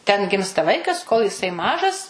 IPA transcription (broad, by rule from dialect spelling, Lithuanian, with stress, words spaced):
tʲɛn ˈɡʲɪmstɐ ˈʋɐɪkɐs koːlˠ jɪˈsɐɪ ˈmɑːʒɐs